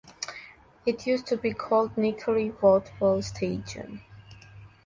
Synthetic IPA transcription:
ɪtʰjʉstʰubikʰɔlˠdnɪkʰəɹiwɔtbɔlˠstʰeɪd͡ʒə̰̃n

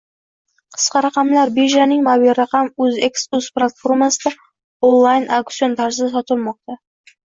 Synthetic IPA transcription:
qʰɨ̥sqɑɾɑqɑmlaɾbeʒanɪŋmabilʲɾɑqɑmɵzekskusplˠat̪foɾmasɪd̪a | onlˠajnʔakt̪sio̞nt̪ʰaɾsɪasɒt̪ʰɪlˠmɒq̚t̪a

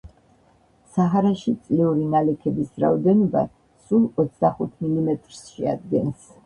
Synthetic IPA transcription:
saɦaɾaʃit̪sʼliuɾinalɛkʰɛbisɾa̰ɔd̪ɛnɔba̰ | sulˠɔt̪sʰd̪aχut̪ʰmilimɛt̪ʼɾsʃɛa̰d̪̚ɡɛns

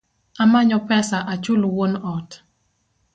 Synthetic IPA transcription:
amaɲɔpɛsaʔat͡ʃʊlowonɔt

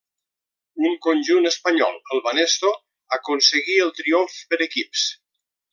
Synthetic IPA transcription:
uŋkonʲʒunəspəɲɔ̰lˠəlˠβanest̪o | akonsəɣiəlˠt̪ɾioɱfpəɾəkips

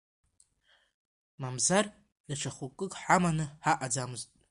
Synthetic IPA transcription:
mamzar | jaʈ͡ʂʰaχukʼɨkʼħamanɨħaʔad͡zamɨztʼ

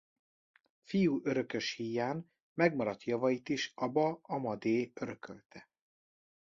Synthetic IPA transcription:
fijuːʔøɾø̞kø̞ʃhiːjaːn | mɛɡmɒɾɒt̪jɒvɒjit̪iʃɒbɒɒmɒd̪eːøɾøkʰø̰lt̪ʰɛ

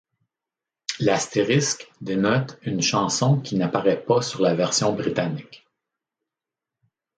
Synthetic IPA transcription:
last̪eʁɪskd̪enɔt̪ynʃɑ̃sɔ̃kʲinapaʁɛpasyʁlavɛʁsjɔ̃bʁit̪anɪk

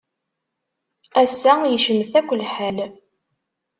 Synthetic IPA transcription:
æsːæjəʃəmθækʷːəlħæl

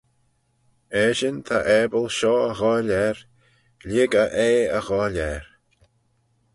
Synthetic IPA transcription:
ɛːʃənt̪ʰaʔɛːbəlʃɔːəɣɔːlʲɛɹ | lɪɡəʔeːəɣɔːlɛɹ

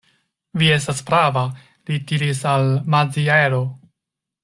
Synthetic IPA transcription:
vie̞s̬taspɾava | litiɾisalmad͡zieɾo̞

